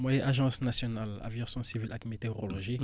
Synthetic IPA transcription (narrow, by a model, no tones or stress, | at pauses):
mwajɛ̃ʔaʒɑ̃snasjɔnala̰vjɔ̃sɔ̃sivilʔakmet̪eʁolɔʒi